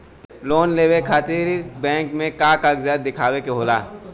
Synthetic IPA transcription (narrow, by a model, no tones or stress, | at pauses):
loːnleːwekʰaːt̪iɾbɛ̃ːŋkmẽkakakzjaːd̪̚ːɪkʰaːwekeɦoːlaː